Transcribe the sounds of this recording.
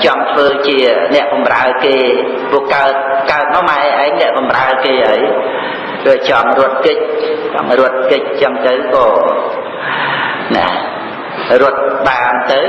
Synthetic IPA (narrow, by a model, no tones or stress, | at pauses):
t͡ɕɑŋt̪ʰʋəːt͡ɕiənɛ̆əʔɓɑmraəkeː | pʊəkaət̪̚kaət̪̚maːmaɛʔaɛŋnɛ̆əʔɓɑmraəkeːʔəːj | ɾɨət͡ɕɑŋrʊ̆ət̪̚kɨc̚t͡ɕɑ̰ŋrʊət̪̚kɨc̚t͡ɕəmt̪ɨwkɑː | na̰ | rʊət̪̚ɓaːmt̪ɨw